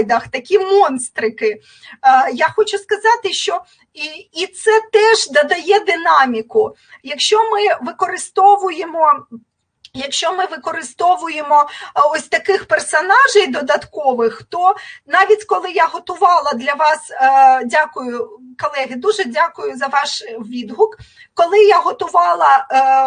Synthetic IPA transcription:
d̪ɐxt̪ɐkʲimɔnst̪ɾɪkɪ | jaxɔt͡ʃʊskɐzɑt̪ɪʃt͡ʃɔ | iit̪sɛt̪ɛʒd̪ɐd̪ɐjɛd̪ɪnɑmʲikʊ | jɐkʃt͡ʃɔmɪʋɪkɔɾɪst̪ɔʋʊjemɔ | jɐkʃt͡ʃɔmɪʋɪkɔɾɪst̪ɔʋʊjemɔɔsʲt̪ɐkɪxpersɔnɑʒɛjd̪ɔd̪ɐt̪kɔʋɪxt̪ɔnɑʋʲitʲkɔlˠɪjaɦɔt̪ʊʋɑlˠɐd̪lʲɐʋɑsdʲakʊjʊkɔlˠɛɦɪd̪uʒɛdʲakʊjʊzɐʋɑʃʋʲid̪ɦʊk | kɔlˠɪjaɦɔt̪ʊʋɑlˠɐ

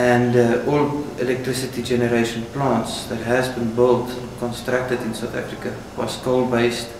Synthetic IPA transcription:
æ̃ndɔlɛlɛk̚tɹɪsətid͡ʒɛnəɾeɪʃə̃nplɑ̃ntsðætɦæzbĩnbɪltkɔ̃nstɹak̚tədɪ̃nsaθæ̰fɹikə | wɔ̰skoʊlbeɪst

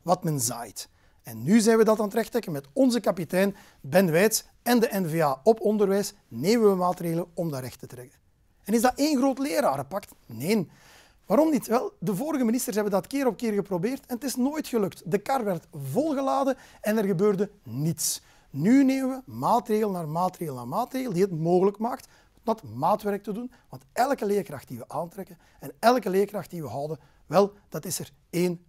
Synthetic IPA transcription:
ʋɑtmɛnza̰ːjt | ɛnːyzɛːnʋədɑtaːnətɾɛxtɾɛkənmɛtɔnzəkɑpitɛːn | bɛnʋɛːjts | ɛndəʔɛnveːaːɔpɔndərʋɛːjs | neːməʋəmaːtreːɣələɔmdəɾɛxtətɾɛkən | ɛnɪzdɑʔeːnɣroːtleːɾaːɾəpɑktneːn | ʋaːɾɔmnitʋɛlˠdəvoːɾəɣəministərsɦɛbəndɑtkɪːɾɔpkɪːrɣəprobeːrtɛnətɪsnoːjtxəlɵktdəkɑrʋɛrtvɔlˠɣəlaːdəɛnɛrɣəbøːrdənits | nyneːmənʋəmaːtreːɣəlˠnaːrmaːtreːɣəlˠna̰ːrmaːtreːɣəlˠdiɦətmoːɣələkmaːkt | dɑtmaːtʋɛɾk̚tədun | ʋɑntɛlˠkəleːrkrɑxt̚diʋəʔaːntɾɛkən | ɛnɛlˠkəleːrkrɑxt̚diʋəɦɑwdə | ʋɛlˠd̥ɑtɪsər | eːn

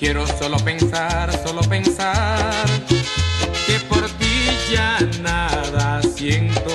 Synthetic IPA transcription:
keɾosɔlɔpɛŋsarsɔlɔpɛŋsar | kepɔrt̪id͡ʒanaɾasieŋt̪o

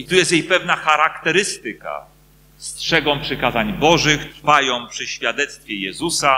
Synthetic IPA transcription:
it̪ujɛst̪jejpɛvnaxaɾakt̪ɛɾɘst̪ɘka̰ | stʂɛɡɔ̃w̃pʂɘkazaɲbɔʐɘxt̪ɾfajɔ̃w̃pʂɘɕfʲjad̪ɛt̪st̪fʲjɛjɛzusa

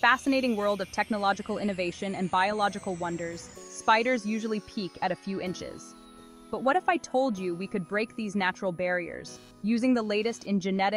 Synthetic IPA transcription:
fæsɨneɪɾɪ̃ŋwɜ˞lˠdʌv̥tʰɛk̚nəlɑd͡ʒɨkl̩ˠɪ̃ñɨveɪʃɨ̃nɨ̃nbaɪəlɑd͡ʒɨkl̩ˠwʌ̃ndə˞z̥spaɪɾə˞zjʉʒl̩ˠipʰikɨɾɨfjʉʔɪ̃nt͡ʃɪ̰z̥ | b̥ʌt̚wʌɾɨfaɪtʰoʊlˠd͡ʒɨwikɨd̚bɹeɪk̚ðiznæt͡ʃɹl̩ˠbɛɹiə̰˞z̥ | jʉzɪ̃ŋðəleɪɾɨstɪ̃nd͡ʒɨnɛɾɨ

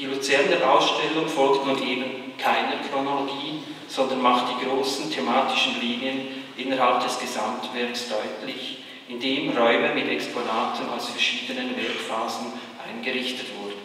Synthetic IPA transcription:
d̥iːlut͡sɛʁndeʔaʊsʃtɛlʊŋfɔlktnuːnʔeːbən̩kʰaɪnəkronoloɡiː | z̥ɔndənmaχt̚d̥iːɡʁoːsn̩tʰemaːtɪʃn̩liːniənʔɪnəɾɦalp̚d̥ɛsɡ̥əzamtvɛɐksd̥ɔʏtlɪç | ʔɪndeːmʁɔʏməmɪtɛksponaːtn̩a̰ʊsfɛɐʃiːdənənvɛʁkfaːzn̩ʔa̰ɪnɡəʁɪçtətv̥ʊɐdn̩

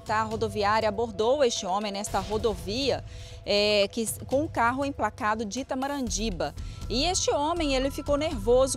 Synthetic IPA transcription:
t̪aɦod̪oviaɾjɐaboɾd̪owest͡ʃɪõmẽj̃nɛst̪ɐɦod̪oviɐ | ɛkɪkõʊ̃kaɦʊẽj̃plakad̪ʊd͡ʒit̪ɐmaɾɐ̃d͡ʒibɐɪest͡ʃɪõmẽj̃elɪfikowneɾvozʊ

